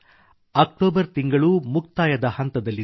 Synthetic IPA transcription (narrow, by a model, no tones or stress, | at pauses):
ɐk̚ʈoːbɐɾt̪iŋɡɐɭumuk̚t̪aːjɐd̪ɐhɐnt̪ɐd̪ɐlːi